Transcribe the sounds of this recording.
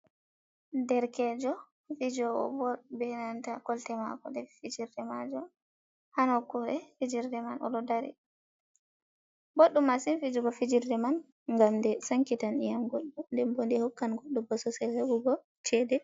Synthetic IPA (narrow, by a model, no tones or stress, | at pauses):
dɛɾkɛːd͡ʒɔ | fid͡ʒɔɡɔ̰bɔbɛnantakɔltɛma̰kɔdɛfid͡ʒiɾdɛmad͡ʒɔ | hanɔkːuɾɛfid͡ʒiɾdɛmanʔɔ̰ɗɔdaɾḭ | boɗːumasinfid͡ʒuɡɔfid͡ʒiɾdɛman | ŋɡamdɛsaŋkitanijamɡoɗːundɛmbondihukːanɡoɗːubɔsɔsɛhebuɡɔ | t͡ʃɛːdɛ